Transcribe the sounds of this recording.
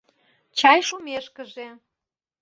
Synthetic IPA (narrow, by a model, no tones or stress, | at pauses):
t͡ɕɑjʃumeʃkəʒe